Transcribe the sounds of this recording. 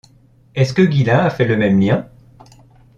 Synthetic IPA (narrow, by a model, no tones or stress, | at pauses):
ɛskəɡʲilɛ̃afɛləmɛmljɛ̃